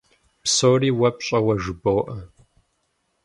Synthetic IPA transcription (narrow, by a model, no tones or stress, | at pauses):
psoːriːwɐpɕʼɐwɐʒɨbowʔɐ